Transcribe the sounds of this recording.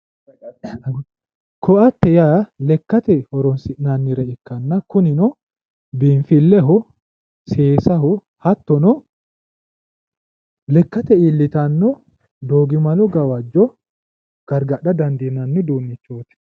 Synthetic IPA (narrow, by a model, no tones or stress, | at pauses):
kʰɔɐt̪ːɛjaːlɛkːɐt̪ɛhɔɾɔnsɪʔnanːɪɾɛɪkːɐnːɐkʊnɪnɔ | biːɱfɪlːɛɦɔ | seːsɐhɔ | hɐt̪ːɔnɔ | lɛkːɐt̪ɛiːlːɪt̪ɐnːɔ | d̪oːɡɪmɐlɔɡɐwɐd͡ʒːɔ | ɡ̥ɐɾɡɐʔɐd̪ɐnd̪inɐnːɪd̪uːnːɪt͡ʃːoːt̪ɪ̥